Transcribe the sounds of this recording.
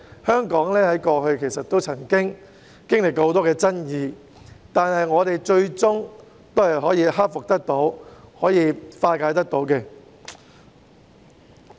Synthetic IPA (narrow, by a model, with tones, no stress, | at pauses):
hœː˥ŋkɔː˨˥ŋlɛː˥hɐ˨˥jkɔː˧ɦɵ˧ɥkʰe˨˩jsɐ˨t̪ːo˥wt͡sʰɐ˨˩ŋkɪ˥ŋ | kɪ˥ŋlɪ˨kːɔː˧ho˨˥t̪ɔː˥kɛː˧t͡sɐ˥njiː˨˧ | t̪aː˨˩nɦɐ˨jŋɔː˨˧t̪e˨jt͡ʃɵ˧ɥt͡sʊ˥ŋ | t̪o˥whɐ˨˩jɦɔː˨˥jiː˨˧ɦa˥p̚fʊ˨k̚t̪ɐ˥k̚t̪o˨˥whɔː˨˥jiː˨˧faː˧kaː˨˧jt̪ɐ˥k̚t̪o˨˥wkɛː˧